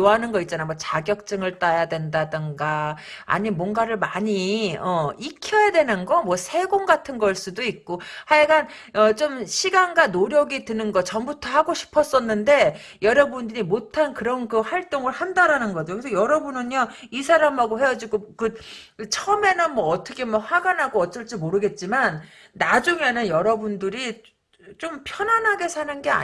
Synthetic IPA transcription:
oɦanɯnɡʌitt͡ɕ͈anajmwʌt͡ɕaɡjʌk̚t͡ɕ͈ɯŋɯɭt͈ajadwe̞ndadɯnɡa | a̰ɲimwʌŋɡaɾɯɭmaɲiʌikʰjʌjadwe̞nɯnɡʌmwʌsʰe̞ɡoŋɡatʰɯnɡʌɭs͈udoik̚k͈ohajeɡan | ʌt͡ɕ͈omɕʰiɡanɡanoɾjʌɡitɯnɯnɡʌt͡ɕʌmbutʰʌhaɡoɕʰi̥pʰʌs͈ʌnːɯnde̞ | jʌɾʌbundɯɾimotʰankɯɾʌnkɯɸwaɭt͈oŋɯɭhandaɾanɯnɡʌd͡ʑokesʰʌjʌɾʌbunɯnjʌisʰaɾamɦaɡohe̞jad͡ʑiɡokɯ | t͡ɕʰʌme̞nɯnmʌːtʰʌkʰe̞mwʌɸwaɡanɦaɡoʌt͡ɕ͈ʌɭt͡ɕ͈imoɾɯɡe̞t̚t͡ɕ͈imanː | ad͡ʑuŋe̞nɯnjʌɾʌbundɯɾi | t͡ɕ͈ompʰjʌnwanɦaɡe̞sʰanɯnɡe̞a̰

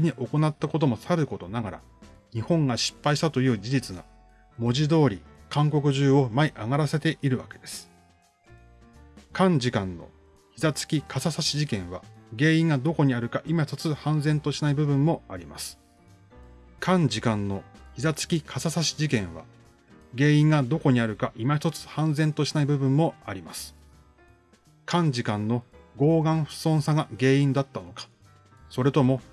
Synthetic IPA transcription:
iɲ̟iʔo̞ko̞nat̪ːako̞t̪̬o̞mo̞saɾɯ̟ko̞t̪o̞naɡaɾa̰ | ɲ̟ihõ̞ŋɡaɕi̥pːaiɕi̥t̪at̪o̞jɯ̟ːd͡ʑiʑit͡sɨɡa | mo̞ʑid̪o̞ːɾʲikãŋko̞kɯ̟ʑɨːo̞maiʔaɡaɾase̞t̪e̞ʔiɾɯ̟βake̞d̪e̞sɨ̥ | kãɲ̟d͡ʑikãnːo̞̰ | çizat͡sɨ̥kʲikʰasasaɕiʑikẽ̞ɰ̃βa̰ɡe̞ːĩŋɡad̪o̞ko̞ɲ̟iaɾɯ̟kaʔimaçt̪ot͡sɨhãñd͡zẽ̞nt̪o̞ɕinaibɯ̟bɯ̟̃mːo̞aɾʲima̰sɨ̥ | kʰãɲ̟d͡ʑikãnːo̞çizat͡sɨ̥kʲikʰasasaɕi̥ʑikẽ̞ɰ̃βa̰ | ɡe̞ːĩŋɡad̪o̞ko̞ɲ̟iaɾɯ̟kaʔimaç̬̥ʲt̪o̞t͡sɨ̥hãnd͡zẽ̞nt̪o̞ɕi̥naibɯbɯ̃mːo̞aɾʲima̰sɨ̥ | kʰãɲ̟d͡ʑikãnːo̞ɡo̞ːɡãɰ̃ɸɯ̟̥sõ̞ɰ̃saɡaɡe̞ːĩnd̪at̪ːano̞kḁ | so̞ɾe̞t̪o̞mo̞

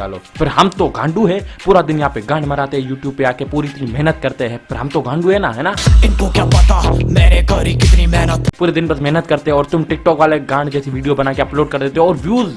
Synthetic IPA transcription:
a̰ːlo̰ːpʰɪɾɦɐmt̪oɡãːɳɖuɦɛːpuːɾad̪ɪnjɐɦãpeɡãːɳɖmɐɾaːt̪eɦɛ̃juːʈjuːb̚peaːkepuːɾiɪt̪nimɛɦnət̪̚kɐɾt̪eɦɛ̃ːpʰɪɾɦɐmt̪oɡãːɳɖuɦɛnaɦɛːnaːɪnkokjaːpɐt̪ameːɾekɐɾikɪt̪nimɛɦnət̪puːɾed̪ɪnbɐsmɛɦnət̪̚kɐɾt̪eɦɛ̃ɔːɾt̪ʊmʈɪk̚ʈɔːkʋaːleɡãːɽɖd͡ʒɛːsiʋiːɖijobɐnaːkeɐploːɖ̚kɐɾd̪eːt̪eɦɛɔːɾʋjuːz

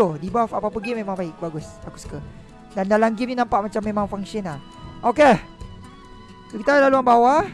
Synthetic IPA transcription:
odibafapapəɡimemãŋbaɪk̚baɡʊstakuskə | dandalaŋɡimninãmpaʔmat͡ʃamːemãŋfaŋʃəna | ʔoke | sokit̪alaluanbawa

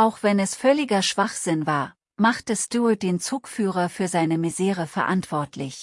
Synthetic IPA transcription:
ʔaʊxv̥ɛnɛsfœlɪɡɐʃv̥aχz̥ɪnvaːɐ | maχtəstut̚d̥eːnt͡suːkfyːʁ̞ɐfyːɐzaɪnəmizeːʁəfɛɐʔantv̥ɔɐtʰlɪç

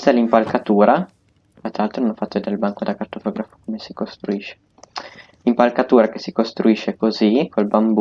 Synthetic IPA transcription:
st̪alimpalkat̪uːɾa | at̪ːɾaalt̪ɾononɔfːat̪ːod̪elbaŋkod̪akart̪ofɔːɡɾafo̥komesikost̪ɾuiʃːe̥ | limpalkat̪uːɾakesikost̪ɾuiʃːekozikʰolbamb

